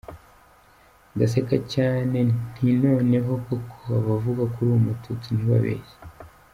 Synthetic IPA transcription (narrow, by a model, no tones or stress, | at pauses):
ɡas̬ekacaːne̞n̥hino̞ːne̞ɦo̞kokʰoaβavuɡakuɾuːmutʰutuniβa̰βḛje